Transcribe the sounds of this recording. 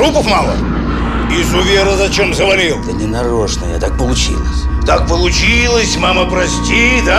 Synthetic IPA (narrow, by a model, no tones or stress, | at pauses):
ɾupəfmalˠə̰ | ɪzʊvʲeɾəzɐt͡ɕemzəvɐlʲilˠd̪ənʲɪnɐɾoʂnə̰ja̰t̪ak̚pəlˠʊt͡ɕḭlˠə̰sʲt̪ak̚pəlˠʊt͡ɕilˠəsʲmaməpɾɐsʲtʲid̪a